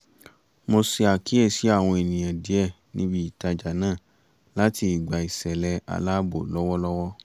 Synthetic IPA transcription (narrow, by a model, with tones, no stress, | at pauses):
mo˧si˧a˨ki˨˦ɛ˦˨si˨˦a˦˨w̃ɔ̃˧e˨nĩ˨j̃ã˨di˨˦ɛ˦˨ | nĩ˦bi˦i˦˨ta˧d͡ʒa˨nãː˦˨ | la˦ti˧i˨ɡ͡ba˨i˨sɛ˨lɛ˧a̰˧la˦bo̰˨lɔ˦wɔ˦lɔ˦wɔ˦